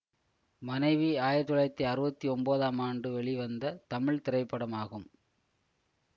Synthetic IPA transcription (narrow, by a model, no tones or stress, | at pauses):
mɐnɐɪʋiaːjɪɾt̪ɯɭɐt̪ːiɐɾɯbɐt̪ːiɔmboːðaːmaːɳɖɯʋɛɭiʋɐnd̪ɐt̪ɐmɪɭt̪ɪɾɐɪpːɐɽɐmaːɣɯm